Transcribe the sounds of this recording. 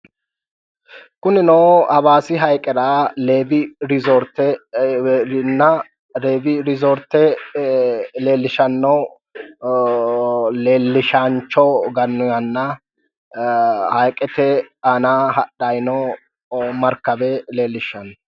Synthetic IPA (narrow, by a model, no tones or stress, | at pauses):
kʊnɪnoːɐbaːsɪɦɐjkʼɛɾaːleːbɪɾɪzɔɾt̪ːɛ | ɪnːɐ | ɾeːbɪɾɪzɔɾt̪ːɛ | leːlːɪʃɐnːɔ | leːlːɪʃant͡ʃːɔɡɐnːʊjɐnːɐ | hɐjkʼɛt̪ɛɐnaːɦɐɗɐjnɔ | mɐɾkːɐbɛle̞ːlːɪʃːɐnːɔ